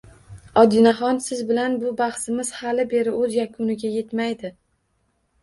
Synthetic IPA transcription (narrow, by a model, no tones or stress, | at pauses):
ɒd̪ɪnaχɒnsɪzbɪlanbʊbaχsɪmɪz̥halɪbe̞ɾɪɵzjakʰʊnɪɡʲaje̞t̪majd̪ɪ